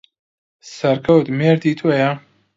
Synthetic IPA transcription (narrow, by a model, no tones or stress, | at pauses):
sɐɾkʰɐwt̪meːɾd̪iːt̪ʰoja